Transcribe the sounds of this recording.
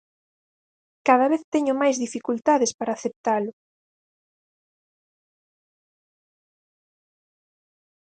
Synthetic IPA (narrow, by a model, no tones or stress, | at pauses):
kaðaβeθt̪eɲʊmajzðifikult̪aðespaɾaːθep̚t̪alʊ